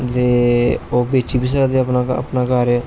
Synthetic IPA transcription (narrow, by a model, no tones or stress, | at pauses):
t̪eːoːbeːt͡ʃiːbiːs̬əɾad̪eəpnaə̰pnaːkaːɾe